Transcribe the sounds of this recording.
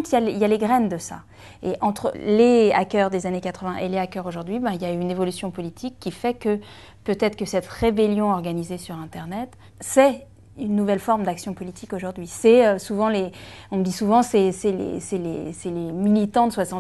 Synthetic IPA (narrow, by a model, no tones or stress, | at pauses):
t̪ijaliljaleɡʁɛnd̪əsa̰ | eʔɑ̃t̪χə̰lea̰kʲœʁd̪ezanekat̪χəvɛ̃ʔeleakœʁoʒuʁd̪ɥibɛ̃iljaynevɔlysjɔ̃pɔlit̪ʰikːifɛkə | pøt̪ɛt̪χəkəsɛt̪ʁebeljɔ̃ɔʁɡanizesyʁɛ̃t̪ɛʁnɛt̪ | sɛ | ynːuvɛlfɔʁmd̪aksjɔ̃pɔlit̪ʰikoʒuʁd̪ɥisɛøsuvɑ̃leɔ̃məd̪isuvɑ̃sɛsɛlḛsɛlḛsɛlemilit̪ɑ̃d̪əswasɑ̃